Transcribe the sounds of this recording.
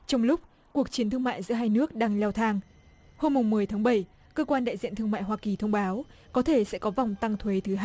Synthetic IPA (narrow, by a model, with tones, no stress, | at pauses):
t͡ɕɔ˧wŋ͡mlʊ˦˥k͡p̚ | ku˨˩ək̚t͡ɕi˨˦nt̪ʰɨ˧əŋma̰ː˧˨jzɨ̰˧˥əɦaː˧jnɨ˦˥ək̚ɗaː˧ŋlɛ˧wt̪ʰaː˧ŋ | ho˧mːʊ˨˩ŋ͡mːɨ˨˩əjt̪ʰaː˨˦ŋɓə˧˩j | kəː˧kwaː˧nɗa̰ː˧˨jzḭ˧˨ənt̪ɨ˧əŋma̰ː˧˨jwaː˧ki˨˩t̪ʰə˧wŋ͡mɓaː˨˦wkɔ˨˦t̪ʰe˧˩sɛ̰˧˥kɔ˨˦va˨˩wŋ͡mt̪a˧ŋt̪ʰwe˨˦t̪ʰɨ˨˦ɦa˧